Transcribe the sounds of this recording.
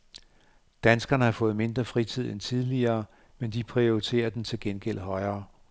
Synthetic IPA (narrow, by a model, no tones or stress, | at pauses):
d̥ænsɡ̥ɐnəhɑ̈fɔ̽ːð̩ˠme̝nd̥ʁɐfʁit͡sʰið̞̰ˠent͡sʰið̞ˠliɐː | mend̥ipʰʁioit͡sʰe̝̰ːɐd̥ent͡sʰe̝lɡ̥enɡ̥el̰ɦɒ̽ɪɐː